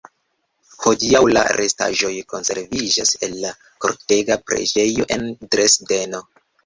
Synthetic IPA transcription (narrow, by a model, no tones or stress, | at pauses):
ho̞diawla̰ɾʔe̞sta̰ʒo̞jko̞nse̞̰ɾvid͡ʒase̞lːa | ko̞̰ɾte̞ɡapɾe̞̰d͡ʒe̞jo̞ʔe̞ndɾe̞sde̞no̞